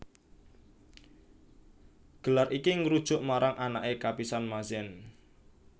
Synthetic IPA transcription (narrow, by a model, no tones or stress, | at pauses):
ɡ̥əlarʔikiŋəɾud̥ʒ̥ʊʔmaɾaŋʔanaʔekapisanmasɪn